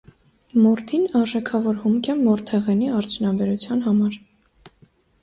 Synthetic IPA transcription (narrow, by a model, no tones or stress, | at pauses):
mɔɾt̪ʰinɑɾʒɛkʰɑvɔɾhumkʰɛmɔɾt̪ʰɛʁɛniɑɾt͡sʰjunɑbɛɾut͡sʰjɑnɦɑmɑɾ